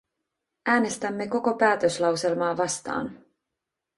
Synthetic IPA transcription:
ʔæːne̞st̪æmːe̞ko̞ko̞pæːt̪ø̞slɑwse̞lmɑːʋɑst̪ɑ̰ːn

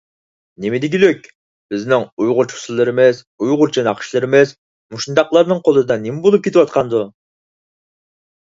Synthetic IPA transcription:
nemɪd̪ɪɡʲiløkʲ | b̥ɪznɪŋujʁʊɾt͡ʃʰu̥sɨzlˠɨɾɪmɪz | ujʁʊɾt͡ʃʰɑnɑqʰʃlˠɨɾɪmɪz | muʃnd̪ɑqlˠɑɾnɨŋqʰolˠɨd̪ɑnemɪbolˠup̚kʲet̪ʰɪwɑt̪̚qʰɑnd̪u

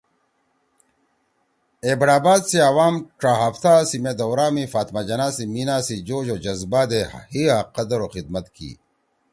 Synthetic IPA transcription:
eːbɽaːbaːd̪siɐwaːmʈɾaːɦɐft̪ʰaːsimed̪ɐwɾaːmifaːt̪mad͡ʑɐnaːsiminaːsid͡ʑoːd͡ʑoːd͡ʑɐzbaːd̪ehiaqɐd̪ɐɾoxid̪̚mɐt̪kḭː

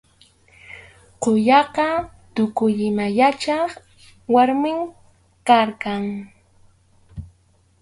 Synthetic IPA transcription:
qoʎɑqɑ | t̪ʊkʊʎɪmajat͡ʃɑχ | waɾmɪŋ | kaɾkaŋ

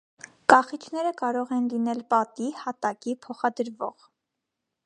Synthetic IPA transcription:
kɑχit͡ʃʰn̪ɛɾəkɑɾɔʁɛnlinɛlpɑt̪ihɑt̪ɑkipʰɔχɑd̪əɾvɔ̰ʁ

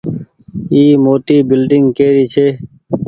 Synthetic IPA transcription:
iːmoːt̪iːbɪlɖɪŋɡkeːɾiːt͡ʃʰeː

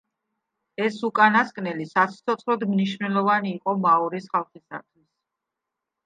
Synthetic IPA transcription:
ɛsukʼanaskʼnɛlisat̪sʰt̪sʰɔt̪sʰχlɔd̪mniʃvnɛlˠɔvaniːqʼɔmaɔɾisχalˠχisa̰t̪ʰwis

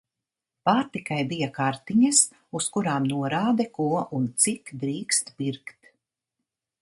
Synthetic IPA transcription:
paːɾt̪ikajbijakaɾt̪iɲɐs | uskuɾaːmnuɔɾaːd̪ɛkuɔʔunt̪sikd̪ɾiːkst̪biɾkt̪

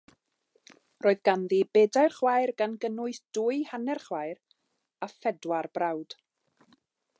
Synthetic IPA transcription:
roːɨðɡanðibeːdajrχwajrɡanɡənʊɨθd̥uɨhanɛrχwaɨr | afɛdwarbrawd̥

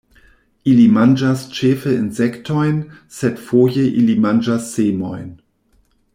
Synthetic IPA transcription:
ʔilimand͡ʒast͡ʃeːfəinzɛktʰɔjnsɛtfoːjəʔilimand͡ʒasːeːmɔ̰jn

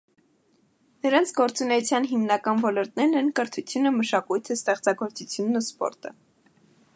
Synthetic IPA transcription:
nəɾɑnt͡sʰɡɔɾt͡sunɛjut͡sʰjɑnɦimnɑkɑnvɔlɔɾt̪nɛɾnɛnkəɾt̪ʰut͡sʰjunəməʃɑkujt̪ʰəst̪ɛχt͡sɑɡɔɾt͡sut͡sʰjunːuspɔ̰ɾt̪ə

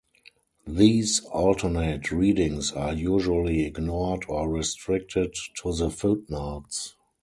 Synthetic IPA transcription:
ðiːsɔltʰə˞netʰɹiːdɪ̃ŋsaːjuːʒuəliɪɡnɔdɔɹistɹɪk̚tʰɪdtʰuðəfɪlp̚naʊts

